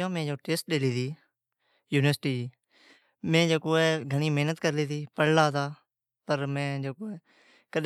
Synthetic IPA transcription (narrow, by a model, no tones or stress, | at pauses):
õːmɛ̃ːd͡ʒoːʈeːsʈ̚ɗeːliːt̪ʰiː | juːnʋəɾsʈiːd͡ʒiː | mɛ̃ːd͡ʒoːkoːɛːɡʱəɽ̃iːmeːnət̪kəɾliːt̪ʰiːpəɽlaːt̪aː | pəɾmɛ̃ːd͡ʒoːkoːɛː | kəɗ